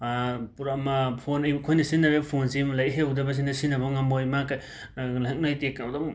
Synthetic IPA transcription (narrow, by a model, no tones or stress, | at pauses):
puɾamapʰonajbkʰojnɐsinabepʰonsimlajɦewdabɐs̬inasinabɐŋambojmaka | laɦek̚najtekːdɔm